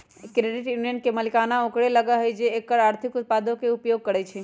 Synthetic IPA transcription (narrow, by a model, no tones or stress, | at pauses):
kɾeɖɪʈjunijənkeməlikanaokɽeləɡaɦəjd͡ʒeːkːəɾaɾt̪ʰɪkʊt̪̚pad̪okeupjoɡ̚kəɾɛt͡ʃʰe